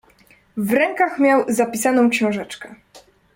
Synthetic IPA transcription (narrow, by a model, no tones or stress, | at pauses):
vɾɛŋkaxmʲjawzapʲisanɔ̃w̃kɕɔ̃w̃ʐɛt͡ʂkɛ